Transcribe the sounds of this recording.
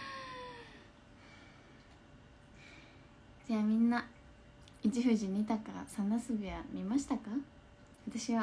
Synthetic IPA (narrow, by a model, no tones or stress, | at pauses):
d͡ʑaːmʲĩnːa | it͡ɕiɸɯ̟ʑiɲʲit̪akaa̰sanasɨɡɯ̟jamʲimaɕi̥t̪aka | βat̪aɕiβa